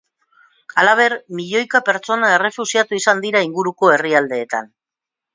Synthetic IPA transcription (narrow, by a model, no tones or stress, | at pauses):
alaβ̞e̞ɾmiʎo̞jkape̞ɾt͡so̞nae̞re̞fusiat̪uisand̪iɾaiŋɡuɾuko̞e̞riald̪e̞ːt̪a̰n